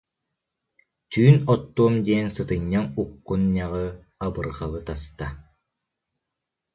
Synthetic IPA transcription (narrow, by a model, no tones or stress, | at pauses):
t̪yːnɔt̪ːuɔmd̪iɛnsɯt̪ɯɲːanukːunɲaʁɯ | abɯɾχalˠɯt̪ast̪a